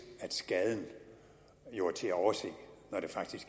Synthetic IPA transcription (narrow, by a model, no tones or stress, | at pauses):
æd̥sɡ̥ɛð̞ˠn̩ | jo̝ːɐt͡sʰe̝æɒʊɐse̝̰ːnɒd̥e̝fɑ̈ɡ̥̚d̥isɡ̥